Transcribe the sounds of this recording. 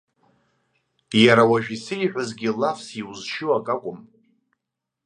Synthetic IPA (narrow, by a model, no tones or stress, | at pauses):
jaɾawaʒᶣisɨjiħᶣʷazɡʲɪlafsiwuzʃɪwakʼakʷʼʊm